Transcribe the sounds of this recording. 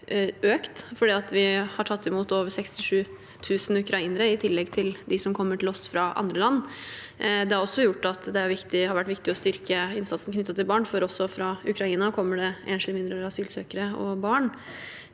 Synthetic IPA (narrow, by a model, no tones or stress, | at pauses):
øːkt̪fɔɖiːɑt̪ʋɪhɑʈʰɑt̪ʰːɪmuːt̪oːʋəɾsɛkst̪ɪʂʉː | t̪ʰʉːsn̩ʉkɾɑiːnəɾəɪt̪ʰɪlːɛɡt̪ʰɪld̪ɪsɔmkʰɔmːəʈʰɪlɔst̪fɾɑʔɑ̰nd̪ɾəlɑnː | d̪ɛæɾɔsːɔjʊʈːɑt̪d̪ɛæɾʋɪkt̪ɪhɑɾʋæʈːʋɪk̚t̪ɪɔst̪ʏɾkəɪnsɑnsn̩kʰnʏt̪ːɑt̪ːɪlbɑːɳfɔɾɔsːɔfɾɑʉkʰɾɑiːnɑkʰɔmːəɖɛʔeːnʂmɪnd̪ɾəɑsyːlsøːkəɾəɔ̰bɑːɳ